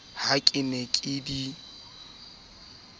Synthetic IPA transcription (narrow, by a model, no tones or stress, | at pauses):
hakʼɪnekʼɪdi